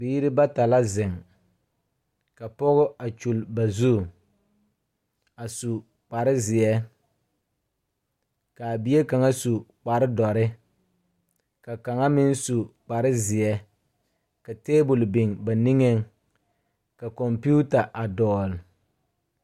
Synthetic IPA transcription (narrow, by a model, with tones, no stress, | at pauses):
biː˦ɾɪ˦ba˦ta˨la˦zɪ˨ŋ | ka˨pɔ˦ɣʊ˦a˨t͡ʃu˨lba˨zu˦˨ | a˨su˨ | k͡pa˨ɾɪ˦zɪ˨jɛ˦ | ka˨bi˨je˦ka˨ŋa˦su˨k͡pa˨ɾɪ˦dɔ˨ɾɪ˦ | ka˨ka˨ŋa˦mɪ˦n˦su˨k͡pa˨ɾɪ˦zɪ˨ɛ˦ | ka˨teː˦bʊ˨lbɪ˨ŋba˨ni˦ŋe˦ŋ | ka˨kɔ˨mpu˦ta˨ʔa˨dɔː˨l